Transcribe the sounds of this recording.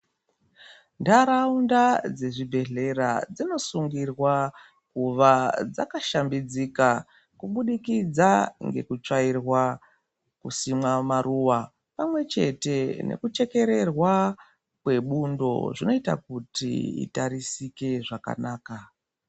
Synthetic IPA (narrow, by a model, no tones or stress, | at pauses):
ndaɾaundad͡ze̞ʐibʱe̞ɮe̞ɾad͡zino̞suŋɡirwa | kuʋad͡za̰kaʃambid͡zika | kuɓuɗikid͡zaŋɡe̞̰kut͡ʂairwa | kusimwamaɾuːwa | pamwe̞t͡ʃe̞te̞ne̞̰kut͡ʃe̞ke̞ɾe̞rwa | kwe̞ɓundo̞̰ʐino̞itakutḭḭtaɾisike̞ʐaka̰naːka